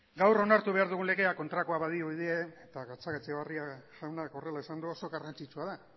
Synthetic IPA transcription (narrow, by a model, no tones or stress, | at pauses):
ɡawro̞naɾt̪uβe̞aɾðuɣ̞unle̞ɣe̞ako̞nt̪ɾakoaβaðioβiðieet̪aɣat͡saket͡seβariaʝawnako̞re̞laisand̪uo̞so̞ɣarant͡sit͡ʃuaða